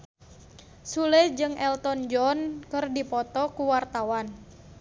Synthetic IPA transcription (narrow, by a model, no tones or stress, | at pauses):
suled͡ʒɨŋʔɛlt̪ɔnd͡ʒɔnkɨrdipɔt̪ɔkuwart̪awan